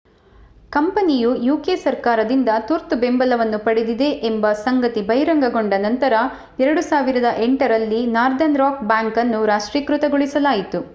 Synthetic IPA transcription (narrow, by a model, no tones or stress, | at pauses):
kɐmpɐnijujuːkeːsɐɾkaːɾɐd̪ind̪ɐt̪uɾt̪ubembɐlɐʋɐnːupɐɽed̪id̪e̞ʔembɐsɐŋɡɐt̪ibɐjɾɐŋɡɐɡoɳɖɐnɐnt̪ɐɾɐ | ɛɾɐɽusaːʋiɾɐd̪ɐʔeɳʈɐɾɐlːinaːɾd̪ɐnɾaːkbaːŋkɐnːuɾaːʂʈɾikɾut̪ɐɡoɭisɐlaːjit̪u